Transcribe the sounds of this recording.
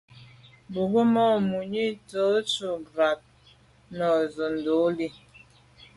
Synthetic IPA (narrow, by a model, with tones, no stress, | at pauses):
bu˨ɡə˦mɔ˦˨mu˨ɲi˦to˦t͡ʃu˨ɡɾa˨p̚ | nɔ˨zo˨n˨do˨˦li˦˨